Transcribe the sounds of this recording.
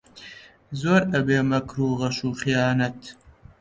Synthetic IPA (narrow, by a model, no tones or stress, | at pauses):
zoːɾɐbeːmɐkɾuːʁɐʃuːχijaːnɐt̪